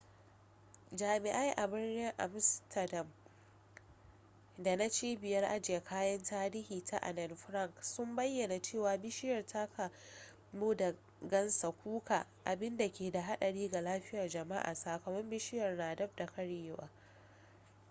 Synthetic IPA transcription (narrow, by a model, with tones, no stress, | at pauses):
d͡ʒaː˨mɪ˨ʔa˦jʔa˨bʊ˦rnɪ˦ŋʔa̰˨m˦stʰɐ˨dɐ˨m | da˨na˦t͡ʃiː˦bɪ˨jɐ˦rʔa˦d͡ʒɪ˨ja˨kaː˦jɐ˦ntaː˦ɽiː˦hiː˨ta˦ʔa̰˨nɐ˨nɸɾɐ˦˨ŋksʊ˦mbɐ˦jːɐ˨na˨t͡ʃeː˦˨waː˨bɪ˦ʃɪ˦jɐ˨rta˦kʰa˨ | moː˦dɐ˨ | ɡɐ˦nsɐ˨kʷuː˦kʰa̰˨ʔa˨bɪ˦nda˨kʲʰeː˨da˨ɦa˦ɗɐ˨ɽiː˦ɡa˨laː˦ɸɪ˦jɐ˨rd͡ʒɐ˨ma˦ʔa̰ː˨saː˨kɐ˨mɐ˦mbɪ˦ʃɪ˦jɐ˨rnaː˨dɐ˦b̚da˨kɐ˦ɽeː˦jwa̰ː˨